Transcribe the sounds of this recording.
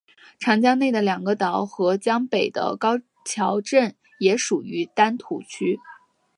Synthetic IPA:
ʈ͡ʂʰɑ˧˥ŋt͡ɕjɑ˥ŋne˥˩ɪd̪ə˩ljɑ˨˩ŋɡə˦t̪ɑ˧˥ʊxɤ˧˥t͡ɕjɑ˥ŋpe˨˩ɪd̪ə̰˦kɑ˥ʊ | t͡ɕʰjɑ˧˥ʊʈ͡ʂə˥˩n | jɛ˧˥ʂu˨˩y˧˥t̪a˥nt̪ʰu˧˥t͡ɕʰy˥

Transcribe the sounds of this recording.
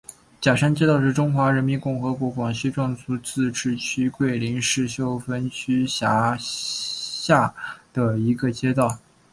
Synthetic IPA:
t͡ɕja˨˩ʂa˥nt͡ɕjɛ˥t̪ɑ˥˧ʊʂ̬ɻ̩˥˩ʈ͡ʂʊ˥ŋxwa˧˥ɻə˧˥nmi˧˥nkʊ˥˩ŋxɤ˧˥kwɔ˧˥kwɑ˨˩ŋɕi˥ʈ͡ʂwɑ˥˧ŋt͡sʰu˥t͡sɹ̩˥˩ʈ͡ʂɻ̩˥˩t͡ɕʰy˥kwe˥˩ɪli˧˥ŋʂɻ̩˥˩ɕjo˥˩ʊfə˥nt͡ɕʰy˥ɕja˧˥ | ɕja˥˩d̪̥ə˩i˧˥ɡə˧t͡ɕjɛ˥t̪ɑ˥˩ʊ

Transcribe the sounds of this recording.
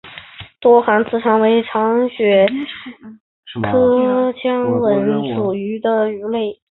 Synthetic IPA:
t̪wɔ˥xa˧˥nt͡sɹ̩˥˩ʈ͡ʂʰɑ˧˥ŋwe˧˥ɪʈ͡ʂʰɑ˧˥ŋɕɥɛ˨˩ | kʰɤ˥t͡ɕʰjɑ˥ŋwə˧˥nʈ͡ʂu˨˩y˧˥d̪ə˧y˧˥le˥˩ɪ

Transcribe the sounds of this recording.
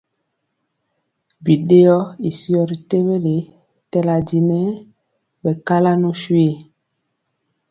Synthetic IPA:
bi˨ɗe˦jɔ˦i˨si˦ɔ˦˨ɾi˨te˦we˦ɾi˨ | tɛ˦la˨di˨nɛ˦ | bɛ˨ka˦la˦nu˦swe˦˨

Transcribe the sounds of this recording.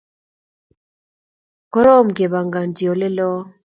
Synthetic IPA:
kɔ˦ɾɔ˦mɡe˨βa˨ŋɡa˨ndjɔ˨lɪ˦lɔ˦

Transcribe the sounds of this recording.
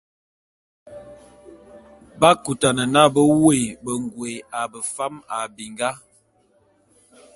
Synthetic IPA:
ba˦ku˨ta˨nə˨na˦˨bə˦we˦˨bə˨ŋ˨ɡwe˨a˨bə˨fa˦ma˨bi˨ŋɡa˦

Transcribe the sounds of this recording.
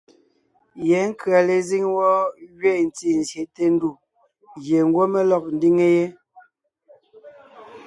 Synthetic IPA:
je˨˦ŋ̩˦kɰa˨le˨zi˦ŋwɔ˦ɥɥe˦˨n̩˨t͡si˦˨n̩˨zje˨te˦n̩˦du˦˨ | ɣje˨ŋ̩˦ɡwo˦me˦lɔ˨k̚n̩˦di˦ŋe˦je˦

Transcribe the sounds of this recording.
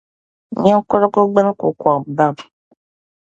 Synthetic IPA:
ɲ˦a˦ko˦ɾa˦ko˦ɡ͡bə˦n˦ku˨kʷɔ˨ba˦˨b

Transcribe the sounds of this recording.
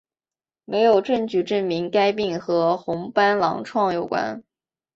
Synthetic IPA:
me˧˥ɪjo˨˩ʊʈ͡ʂɤ˥˩nt͡ɕy˨˩ʈ͡ʂə˥˩nmi˧˥ŋka˥ɪp̬i˥˩ŋxɤ˧˥xʊ˧˥ŋpa˥nlɑ̰˧˥ŋʈ͡ʂʰwɑ˥˩ŋjo˨˩ʊkwa̰˥n

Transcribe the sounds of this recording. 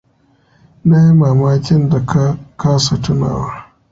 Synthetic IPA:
na˦ji˦maː˨maː˦kʲɪ˦nda˨ka˦kaː˦sa˨tʊ˦na̰ː˨wa˦

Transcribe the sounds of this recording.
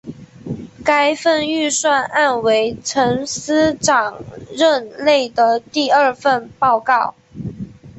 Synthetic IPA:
ka˥ɪfə˥˧ny˥˧swa˥˧nʔa˥˩nwe˧˥ɪʈ͡ʂʰə˧˥ŋsɹ̩˥ʈ͡ʂɑ˨˩ŋɻə˥˧nle˥˩ɪd̪ə˩t̪i˥˧ə˞˥˧fə˥˧npɑ˥˧ʊkɑ˥˩ʊ

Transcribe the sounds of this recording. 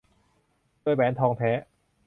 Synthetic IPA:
o˥˩˨jpɛː˨˥nt̪ʰɔː˧ŋt̪ʰɛː˦˥

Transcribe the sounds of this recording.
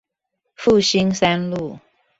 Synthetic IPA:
fu˥˩ɕi˥nsa˥nlu˥˩

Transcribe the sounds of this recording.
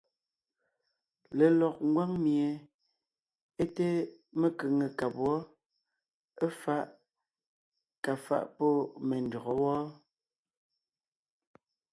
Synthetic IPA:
le˨lɔ˨k̚ŋ̩˦ɡwa˦ŋmje˨ | e˦te˦me˦kə˨ŋe˨ka˨pwɔ˦ | e˦fa˦ʔ | ka˨fa̰˦˨ʔpɔ˦me˨n˨dɔ˨ɣɔ˨˦wɔ˦

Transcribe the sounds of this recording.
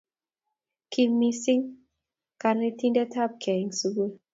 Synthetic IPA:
kʰi˧mːi˧si˦ŋ | ka˧˨ɾne˦ti˦ndɛ˦tʰa˦p̚kʰɛ˨ŋsu˨ɡu˦

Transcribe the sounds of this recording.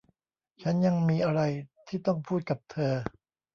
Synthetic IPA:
t͡ɕʰa˦˥nja˧ŋmiː˧ʔa˧ɾa˧jt̪ʰiː˥˩t̪ɔ˥˩ŋpʰuː˥˩t̪̚ka˨˩p̚t̪ʰɤː˧

